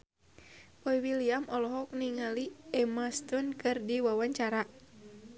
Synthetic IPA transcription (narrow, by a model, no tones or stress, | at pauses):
pɔiwiliamɔlɔɦɔk̚niŋaliɛmast̪unkɨrdiwawaɲt͡ʃaɾa